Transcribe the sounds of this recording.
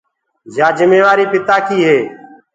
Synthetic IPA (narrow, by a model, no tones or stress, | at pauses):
d͡ʒaːd͡ʒəmeːʋaːɾiːpɪt̪aːkiːɦeː